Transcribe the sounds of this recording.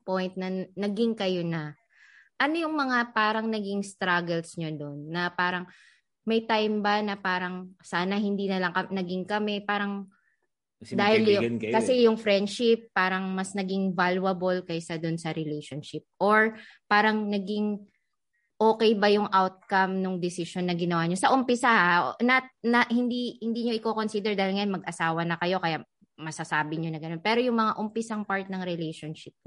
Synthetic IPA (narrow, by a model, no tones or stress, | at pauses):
pojnt̪̚nɐnɐɡɪŋkɐjonɐ | ʔɐnojʊŋmɐŋapaːɾɐŋnɐɡɪŋst̪ɾaɡɛlsɲod̪o̞nːɐpaːɾɐŋ | mɐjt̪ajmbɐnɐpaːɾɐŋsaːnɐhɪnd̪inɐlɐŋkɐnɐɡɪŋkɐmɛpaːɾɐŋ | d̪aːhɪljʊkɐsɛjʊŋfɾɛnd̪ʃɪpːaːɾɐŋmɐsnɐɡɪŋvalwɐbolkɐjsad̪ʊnsɐɾɛlɛjʃonʃɪp̚ʔoɹ | paːɾɐŋnɐɡɪŋ | ʔoːkɛjbɐjʊŋʔawt̪̚kɐmnʊŋd̪ɪsɪʃonːɐɡɪnɐwaːɲosɐʔʊmpɪsaʔaʔonɐt̪̚nɐhɪnd̪ihɪnd̪iːɲo̞ʔɪkoːko̞nsid̪ɛɹd̪aːhɪlŋɐjonmɐɡ̚ʔɐsaːwɐnɐkɐjo̞kɐja | mɐsɐsaːbɪɲonɐɡɐnonpɛːɾojʊŋmɐŋaʔʊmpɪsaŋpaɹt̪̚nɐŋɾɛlɛjʃonʃɪp̚